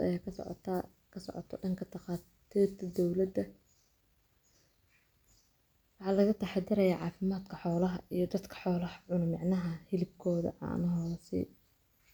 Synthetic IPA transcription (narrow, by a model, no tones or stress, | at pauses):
ɐ̰jaːkʰɐsɔ̰ʕ̰t̪ʰː | kʰɐsɔ̰ʕɔ̰t̪ʰɔ̰ɖɐŋkʰɐt̪ʰɐqaːtt̪ʰiːrt̪ʰɐd̪ɔwlɐd̪ɐ | wɑħɑːlɐɣɐt̪ʰɐħɑd̪ɪɾɐjaːʕɑːfɪmaːd̪kʰɐħɔːlɐɦɐ̰ʔijɞd̪ɐd̪kʰɐ̥ħɔːlɐhɐʕʊnmɑʕnɐɦɐhɪlɪb̚kʰɔːðɐ̰ʕɑ̰ːnɐɦɔːsɛ̰